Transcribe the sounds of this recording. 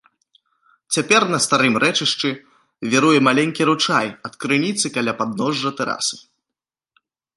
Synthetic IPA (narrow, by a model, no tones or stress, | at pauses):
t͡sʲapʲɛrnɐst̪aɾɨmɾʔɛt͡ʂɨʂt͡ʂɨ | vʲiɾujɛmalʲɛnʲkʲiɾut͡ʂajɐt̪kɾɨnʲit̪sɨkalʲapad̪nɔʐːɐt̪ɛɾa̰sɨ